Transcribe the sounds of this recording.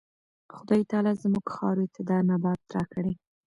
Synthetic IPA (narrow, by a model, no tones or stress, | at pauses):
xʊd̪ɑjit̪ɑlazmuɡxɑ̰ɾot̪ɪd̪ɑnabɑt̪̚ːɾɑkəɽe